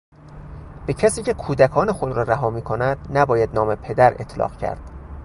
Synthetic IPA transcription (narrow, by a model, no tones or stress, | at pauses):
b̥e̞cʰæsiːcʰe̞kʰuːd̪ækʰɒːnexod̪ɾɒːɾæɦɒːmiːkʰonæd̪̥̚næbɒːjæd̪nɒːmepʰe̞d̪æɾet̪ʰlɒ̰ːɣcʰæ̰ɾd̪̥